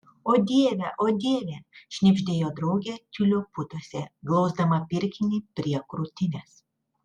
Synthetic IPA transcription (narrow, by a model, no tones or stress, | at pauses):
oːd̪ʲiːʋʲɛʔoːd̪ʲiːʋʲɛʃʲnʲɪbʲʒʲd̪ʲeːjoːd̪ɾɐʊɡʲɛt̪ʲʊlʲoːpʊt̪oɔsʲɛɡlˠɒʊzd̪ɐmɐpʲɪɾʲkʲɪnʲipʲɾʲiɛkɾʊt̪ʲɪnʲɛs